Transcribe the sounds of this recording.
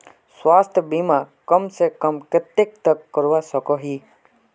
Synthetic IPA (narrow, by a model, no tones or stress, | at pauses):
sʋast̪ʰbimãkəmsekəmkɾət̪jek̚t̪əkːəɾʋasəkoɦi